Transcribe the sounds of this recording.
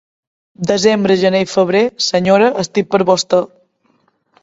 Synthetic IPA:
d̪əzembɾəʒənejfəβ̞ɾesəɲoɾəʔəst̪ippːəɾβɔst̪ə

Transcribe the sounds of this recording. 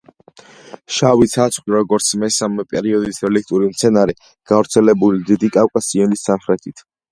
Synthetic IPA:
ʃavit̪sʰat̪sʰχwiɾɔɡɔɾt̪sʰmɛsamɛpʼɛɾiɔd̪isɾɛlik̚ʰt̪ʼuɾimt̪sʰɛnaɾɛ | ɡ̥avɾt̪sʰɛlɛbulid̪id̪ikʼawkʼasiɛnisanχɾɛt̪ʰit̪ʰ

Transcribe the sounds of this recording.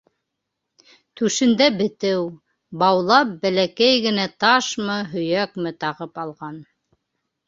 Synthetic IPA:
t̪ʉʃɘ̆nd̪æbɘ̆t̪ɘw | bɑwlˠɑp̚bælækæjɡɘ̆næt̪ɑʃmɤɦɵ̆jækmɘt̪ɑʁɤpɑlˠʁɑn

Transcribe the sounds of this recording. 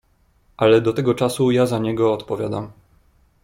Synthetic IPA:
ʔalɛd̪ɔt̪ɛɡɔt͡ʂasujazaɲɛɡɔːt̪pɔvʲjad̪am

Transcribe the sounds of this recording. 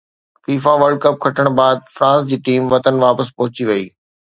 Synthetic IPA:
fiːfaʋəɾɖ̚kɐp̚kʰɐʈʰəɽ̃baːd̪̚fɾãːsd͡ʑiːʈiːmʋɐt̪ənʋaːpəspɐɦʊt͡ɕiʋɐiː

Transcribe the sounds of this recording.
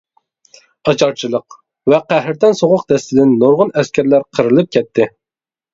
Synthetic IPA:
ɑt͡ʃʰɑɾt͡ʃʰilˠəq | vɛqæɦɾt̪ɪnsoʁʊq̚d̪ɛst̪ɪd̪ɪnːoɾʁʊnɛskʲæɾlæɾqʰəɾɨlˠɨp̚kʲʰɛt̪ʰːɪ

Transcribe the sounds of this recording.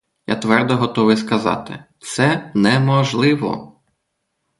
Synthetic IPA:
ja̰t̪ʋɛrd̪ɔɦɔt̪ɔʋɪjskɐzɑ̰t̪ɪ̰t̪sɛnɛmɔʒlˠɪʋɔ̰

